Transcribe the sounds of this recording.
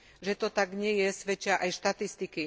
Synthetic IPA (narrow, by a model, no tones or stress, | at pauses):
ʒɛt̪ɔt̪aɡɲɪɛjɛsʋɛt͡ʃɪaʔajʃt̪at̪ist̪iki